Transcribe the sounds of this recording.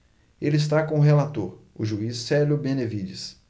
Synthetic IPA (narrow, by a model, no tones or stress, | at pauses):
elɪis̬t̪akõʊɦelat̪oɾ | ʊ̰ʒuisːɛlʊbẽnevid͡ʒɪs